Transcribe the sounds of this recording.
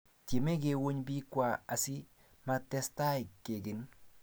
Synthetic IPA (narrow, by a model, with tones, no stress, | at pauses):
te˨me˦ɡe˨wo˦ɲbi˦kwa˨a˨sɪ˦ | ma˦tɛ˦sta˦ɪ˨kːe˨ɡɪ˨n